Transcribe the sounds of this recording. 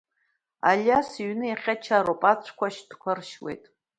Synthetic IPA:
a̰lʲjasiɥnɨjaχʲat͡ʃʰaɾopʼat͡sʷʰkʷʰaʃd̥kʷʰarʃwḛjtʼ

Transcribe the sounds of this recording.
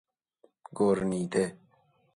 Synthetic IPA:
ɡoɾnid̪e

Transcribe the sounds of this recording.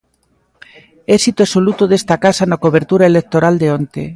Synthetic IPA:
ɛsit̪oesolut̪oðest̪akasanakoβeɾt̪uɾaelek̚t̪oɾald̪eont̪ḛ

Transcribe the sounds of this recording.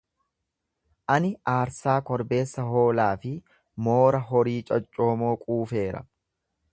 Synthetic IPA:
ʔɐnɪaːɾsaːkɔɾbe̞ːsːɐɦoːlaːfɪ | moːɾɐɦɔɾiːt͡ʃʼɐt͡ʃʼːo̞ːmo̞ːkʼuːfe̞ːɾɐ̰

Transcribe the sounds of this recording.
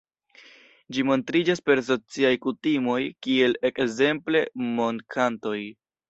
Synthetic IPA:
d͡ʒimo̞ntɾid͡ʒaspe̞ɾs̬o̞t͡siajkutimo̞jkie̞le̞kze̞mple̞mo̞nkʰanto̞j

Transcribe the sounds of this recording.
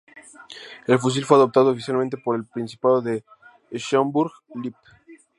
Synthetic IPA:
e̞lfus̬ilfweaðo̞p̚t̪aðoːfisjalmẽnt̪̬e̞po̞ɾe̞lpɾinsi̥paðoðe̞ | ʃombuɾɣlip

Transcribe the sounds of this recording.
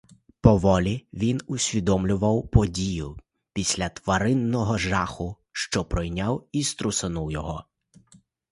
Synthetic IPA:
pɔʋɔlʲiʋʲinʊsʲʋʲid̪ɔmlʲʊʋɐwpɔdʲijʊ | pʲisʲlʲɐt̪ʋɐɾɪnːɔɦɔʒɑxʊ | ʃt͡ʃɔpɾɔjnʲawist̪ɾʊsɐnuwjɔɦɔ

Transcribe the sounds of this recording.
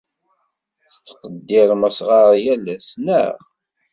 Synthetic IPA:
θət͡sːqəd̪ːɪɾməsʁaɾˤjælæsnə̰ʁ

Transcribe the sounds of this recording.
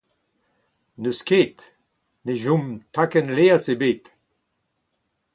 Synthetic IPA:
nøskeːt̪ | neʒũmt̪akɛnleasebeːt̪

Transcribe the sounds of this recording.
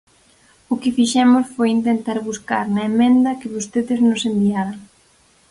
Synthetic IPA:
ʊkɪfiʃɛmʊsfojint̪ent̪aɾβuska̰ɾnɐemẽnd̪ɐkɪβost̪eðɪznʊsenb̪iaɾaŋ

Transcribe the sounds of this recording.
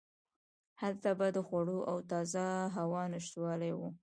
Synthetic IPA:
halt̪abad̪əxwaɽoʔawt̪ɑzaɦawɑnɪʃt̪wɑlajwu

